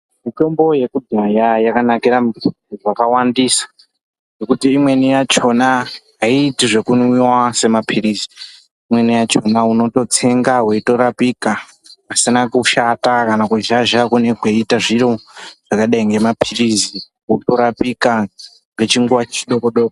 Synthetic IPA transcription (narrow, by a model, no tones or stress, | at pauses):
mito̞mbo̞je̞kudajajakanakiɾamu | uʐakawandiːsḁ | nekutiːmwe̞nijat͡ʃo̞naɦaiːtiʐe̞kunwiwase̞mapʰiriziː | mwe̞nijat͡ʃo̞nauno̞to̞t͡se̞ŋɡaweito̞ɾapika | asinakuʃatakanakuʒaʒakune̞kweitaʐiɾoʐ̥akaɗaiŋɡe̞mapʰirizi | uto̞ɾapika | ŋɡe̞t͡ʃiŋɡuwat͡ʃiɗo̞koɗoko